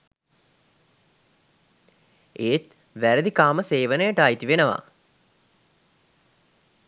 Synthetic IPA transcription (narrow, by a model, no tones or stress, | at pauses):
eːt̪ | ʋæɾəd̪ikaːməseːʋənəjəʈaːit̪iʋenəʋa̰